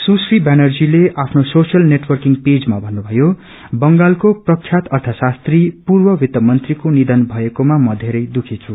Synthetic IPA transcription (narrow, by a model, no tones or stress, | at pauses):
susribanʌrd͡zileapʰnososijʌlneʈwʌrkiŋped͡zmabʱʌnːubʱʌjo | bʌŋɡalkoprʌkʰːjat̪ʌrt̪ʰʌsast̪ripurbʌwit̪ːʌmʌnt̪rikonid̪ʌnbʱʌekomamʌd̪ʱeɾʌjd̪ukʰit͡sʰu